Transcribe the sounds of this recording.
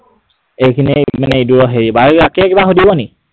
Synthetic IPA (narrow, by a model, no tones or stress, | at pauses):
ejkʰinɛmanɛiduɹɔɦeɹibaɹakɛkibaxodibɔni